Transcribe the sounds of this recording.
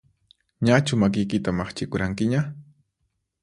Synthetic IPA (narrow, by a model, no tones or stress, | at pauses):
ɲat͡ʃʊmak̬ɪjkɪt̪amaχt͡ʃɪkʊɾaŋkɪɲa